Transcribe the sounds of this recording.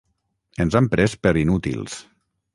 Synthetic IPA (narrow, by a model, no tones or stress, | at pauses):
ənzampɾɛspəɾinut̪ḭlˠs